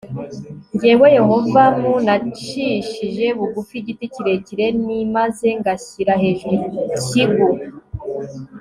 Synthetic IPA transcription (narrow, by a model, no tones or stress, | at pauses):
ɲɟiweje̞ho̞vamunat͡ʃiʃiʒe̞βuɡufiɟiticiɾe̞ciɾe̞nimaze̞ŋɡasiɾaɦeʒiciɡuɾa